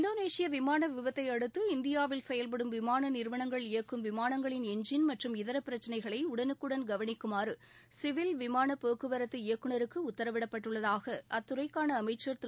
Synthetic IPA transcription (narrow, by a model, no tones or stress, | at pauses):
nd̪oːneːsɪjɐʋɪmaːnɐʋɪʋɐt̪ːɐɪɐɽɯt̪ːɯɪnd̪ɪjaːʋɪlsɛjɐlpɐɽɯmʋɪmaːnɐnɪɾʋɐɳɐŋɡɐɭɪjɐkːɯmʋɪmaːnɐŋɡɐɭɪnɛɲd͡ʒɪnmɐʈrɯmɪðɐɾɐpːɪɾɐt͡ʃːɐnɐɪɣɐɭɐɪʊɽɐnɯkːɯɽɐnɡɐʋɐɳɪkːɯmaːɾɯ | sɪʋɪlʋɪmaːnɐpoːkːɯʋɐɾɐt̪ːɯɪjɐkːɯɳɐɾɯkːɯʊt̪ːɐɾɐʋɪɽɐpːɐʈːɯɭːɐðaːɣɐʔɐt̪ːʊɾɐɪkːaːnɐːmɐɪt͡ʃːɐɾt̪